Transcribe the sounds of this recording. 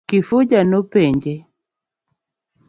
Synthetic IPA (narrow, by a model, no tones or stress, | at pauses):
kɪfʊd͡ʒanɔpeɲd͡ʒe